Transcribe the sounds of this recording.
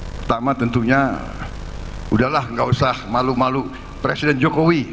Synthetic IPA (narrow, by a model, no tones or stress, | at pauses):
pərt̪amat̪ənt̪uɲa | udahlahŋɡausahmalumalu | pɾesidɛnd͡ʒokowi